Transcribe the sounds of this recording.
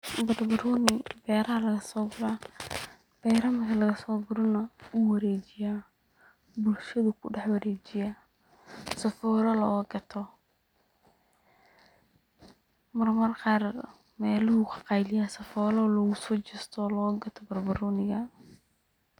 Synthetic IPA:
bɐrbɐɾɔːnɪbɛːɾɐɦɐlɐɣɐsɔːɡʊɾaː | b̥ɛjɾɐmɐkʰɐlɐɣɐsɔːɡʊɾɔnɐuwɐɾɛːt͡ʃɪjaː | bʊlʃɐðʊkʰʊ̰ɖɛħwɐɾɛːt͡ʃɪja | sɐfɔːɾɐlɔːɣɐɡɐt̪ʰɔ | mɐrmɐrqɑːr | mɛːlʊhʊkʰɑ̥qɑjlɪjaːsɐfɔːɾɔːlɔɣʊsɔːt͡ʃɪst̪ʰɔːlɔːɣɐɡɐt̪ʰɔbɐrbɐɾɔːnɪɣɐ

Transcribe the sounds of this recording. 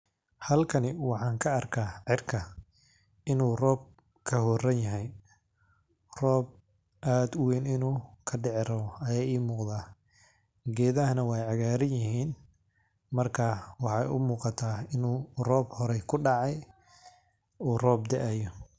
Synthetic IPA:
hɐlkʰɐnɪwɑħɑːŋkʰɐːrkʰaːʕɪrkʰɐ | ɪnuːrɔːb̚ | kʰɐhɔːrɐnjɐɦɛj | rɔːb̚ | ʔaːd̪ʊwɛːnɪnuːkʰɐɖɛʕɪrɐβɔɐjaːiːmuːqðaː | ɡɛːðɐɦɐnɐwɑjʕɑɣaːɾɐnjɪhiːn | mɐrkʰawɑħɑjʊ̰muːqɑt̪ʰaːɪnuːrɔːbhɔɾɛkʰʊɖɑʕɑj | uːrɔːb̚d̪ɛʔɛjɔ

